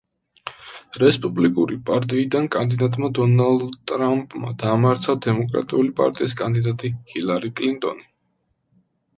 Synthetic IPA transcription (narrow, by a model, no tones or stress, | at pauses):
ɾɛspʼublikʼuɾipʼaɾt̪ʼiːid̪ankʼand̪id̪at̪ʼmad̪ɔnalˠd̪t̪ʼɾampʼma̰d̪aːmaɾt̪sʰad̪ɛmɔkʼɾa̰t̪ʼiulipʼa̰ɾt̪ʼiiskʼand̪id̪at̪ʼihilˠaɾikʼlint̪ʼɔ̰ni